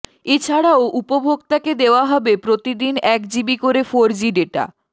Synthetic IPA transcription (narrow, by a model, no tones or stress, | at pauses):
et͡ɕʰaɽaoʔupobʱoɡt̪aked̪eoaɦɔbepɾot̪id̪inɛk̚d͡ʑibikoɾefoɾd͡ʑiɖeʈa̰